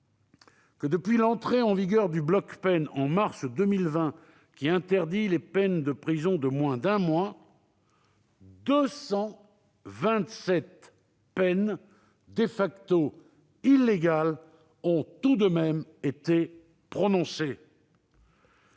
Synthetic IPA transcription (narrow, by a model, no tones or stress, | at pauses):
kəd̪əpɥilɑ̃t̪χeɑ̃viɡʲœʁd̪yblɔkpɛnɑ̃maʁsd̪əmilvɛ̃ | kʲiɛ̃t̪ɛʁd̪ilepɛnd̪əpχizɔ̃d̪əmwɛ̃d̪ɛ̃mwa | d̪əsɑ̃ | vɛ̃t̪sɛt̪ | pɛn | d̪efakt̪o | ilːeɡal | ɔ̃t̪ud̪əmɛmet̪e | pχɔnɔ̃se